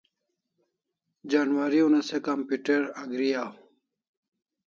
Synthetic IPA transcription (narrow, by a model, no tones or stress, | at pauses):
d͡ʑanwaɾiunɐsekɐmpiʈeɾɐɡɾijaːw